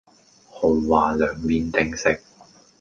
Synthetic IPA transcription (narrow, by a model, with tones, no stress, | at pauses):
ho˨˧wwaː˨lœː˨ŋpiː˧nt̪ɪ˧ŋsɪ˧k̚